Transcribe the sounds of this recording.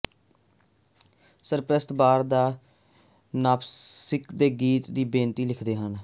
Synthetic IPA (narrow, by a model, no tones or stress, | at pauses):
səɾpɾəst̪baːɾd̪aː | naːpʰsɪkd̪eːɡiːt̪d̪iːbẽːnt̪iːlɪkʰd̪eːɦən